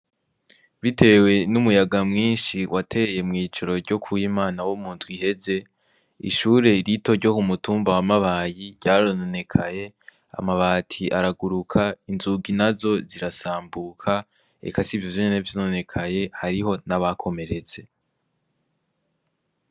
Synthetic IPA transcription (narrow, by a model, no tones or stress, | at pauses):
βite̞we̞numujaɡamŋiːnʃiwʔatʰe̞ːje̞mŋiːt͡ʃoɾo̞ɾɟo̞kʰujimaːnawomuːntwihe̞ze̞ | ḭʃuːɾe̞ɾito̞ɾɟo̞kumutuːmbawamaβaːjiɟaɾonone̞kʰaje̞ | a̰maβaːtʰiʔaɾaɡuɾukʰainzuɡinazo̞ziɾasaːmbuːkʰa | ḛkasivjovjoɲenevjonone̞kʰaje̞haɾiɦo̞naβakʰo̞me̞ɾe̞t͡se